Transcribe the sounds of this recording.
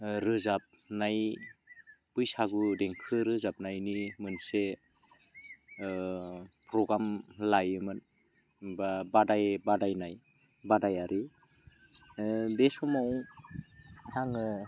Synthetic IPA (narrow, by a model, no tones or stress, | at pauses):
ɾɯzap̚naj | pɯjsaɡudeŋkʰɯɾɯzap̚najnimɯnse | pɾɔɡɾamlajɯmɯn | babadajbadajnaj | badajaɾʔi | besɔmaw | haŋɯ